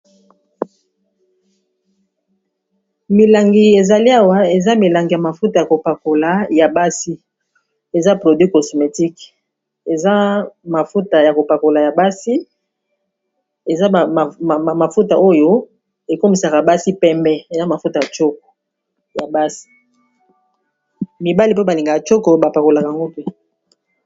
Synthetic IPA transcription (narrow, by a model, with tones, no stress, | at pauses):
mi˨la˨ŋɡi˨e˨za˨li˦a˦wa˦e˨za˦mi˨la˨ŋɡi˨ja˨ma˨fu˦ta˨ja˨ko˨pa˨ko˨la˨ja˨ba˦si˦ | e˨za˦pʁo˨dwi˦ko˨so˨me˨ti˦k | e˨za˦ma˨fu˦ta˨ja˨ko˨pa˨ko˨la˨ja˨ba˦si˦ | e˨za˦˨ma˨fu˦ta˨ʔo˦jo˦ | e˨ko˦mi˨sa˨ka˨ba˦si˦pɛ˦mbɛ˦e˨za˦ma˨fu˦ta˨ja˨t͡ʃo˦ko̥˨ | ja˨ba˦si̥˦ | mi˨ba˦li˦p̬o˦ba˨li˨ŋɡa˨ja˨t͡ʃo˦ko˨ba˨pa˨ko˨la˨ka˨ja˨ŋɡo˦pe˦